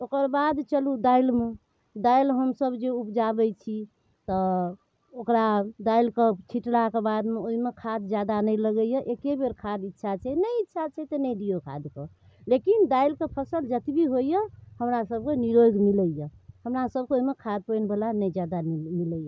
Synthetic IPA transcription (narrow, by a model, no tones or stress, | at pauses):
okəɾbad̪t͡ʃəlud̪ailme | d̪ailɦəmsəbd͡ʒeupd͡ʒabɛt͡ʃʰi | t̪ɔ | okɾad̪ailket͡ʃʰiʈlakebad̪meoɦimekʰad̪d͡ʒjad̪anəjləɡəjəʔekebeɾkʰad̪itːʃʰat͡ʃʰɛnəjitːʃʰat͡ʃʰɛt̪ənəjɖijokʰa̰d̪ke | lekind̪ailkepʰəsəld͡ʒət̪ibiɦojjəhəmɾasəb̚keniɾojɡmiləjəhəmɾasəb̚keoɦimekʰad̪̚pəjnbəlanəjd͡ʒad̪anmiləjə